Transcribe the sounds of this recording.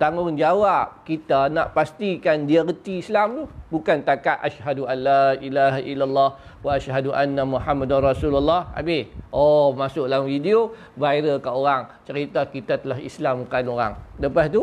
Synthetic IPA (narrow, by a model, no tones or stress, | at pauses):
t̪aŋʊnd͡ʒawap̚kit̪ana̰ʔpast̪ikandiarət̪iːslamt̪ubukant̪akaʔʔaʃhaduʔanːaʔilaɦaʔilːalːɑh | waaʃɦaduʔanːamuħamːadanrɑsululːɑha̰bɪhʔɔmasʊʔlamfidio | vajɾəkaʔoɾaŋt͡ʃəɾit̪akit̪at̪əlaɦḭslamkanoɾa̰ŋləpast̪u